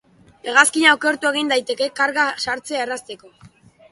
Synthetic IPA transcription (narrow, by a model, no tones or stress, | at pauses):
eɣaskiɲaoke̞ɾt̪ue̞ɣ̞ind̪ajt̪e̞ke̞kaɾɣasaɾt͡seaerast̪e̞ko̞